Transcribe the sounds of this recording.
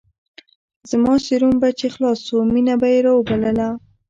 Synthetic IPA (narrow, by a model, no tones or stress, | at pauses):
zmɑʃeɾombat͡ʃexlɑsominabajeɾɑwəbaləla